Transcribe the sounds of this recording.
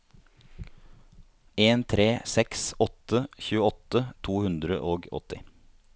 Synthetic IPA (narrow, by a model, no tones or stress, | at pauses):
eːnt̪ʰɾeːsɛksɔt̪əçʉːəɔt̪ət̪ʰuːhʉnd̪ɾə̰ʔoːɡɔ̰t̪ɪ